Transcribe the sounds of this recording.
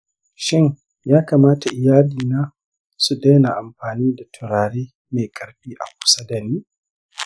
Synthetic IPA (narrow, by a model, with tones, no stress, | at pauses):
ʃɪ˦ɲ | jaː˦kaː˨maː˦ta˨ʔɪ˨jaː˦liː˨naː˦ | su˨da˦jna˨ʔa˨mɸaː˨niː˦da˨tʰʊ˨ɾaː˨ɽeː˦ | me˨kʼɐ˨ɾɸiː˦ʔa̰˨kʷʼʊ̥˦sɐ˦dɐ˨niː˦